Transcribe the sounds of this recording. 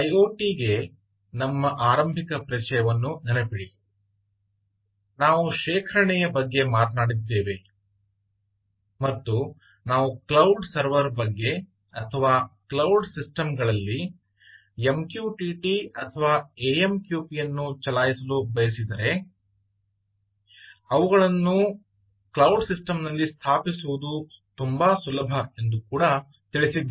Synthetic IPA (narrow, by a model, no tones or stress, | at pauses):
ɐjoːʈiːɡe̞ | nɐmːɐʔaːɾɐmbʱikɐpɾɐt͡ʃɐjɐʋɐnːunɐnɐpiɽi | naːʋuʃɛːkʰɐɾɐɳɛjɐbɐɡːe̞maːt̪ɐnaːɽid̪ːe̞ːʋe̞ | mɐt̪ːu | naːʋuklɐwɖsɐɾʋɐɾbɐɡːe̞ | ɐt̪ʰɐʋaːklɐwɖsisʈɐmɡɐɭɐlːi | emkjuːʈiʈiɐt̪ʰɐʋaːeemkjuːpijɐnːut͡ʃɐlaːjisɐlubɐjɐsid̪ɐɾe̞ | ɐʋuɣɐɭɐnːu | klɐwɖsisʈɐmnɐlːist̪ʰaːpisuʋud̪ut̪umbɐsulɐbʱɐe̞nd̪ukuːɽɐ | t̪iɭisid̪ː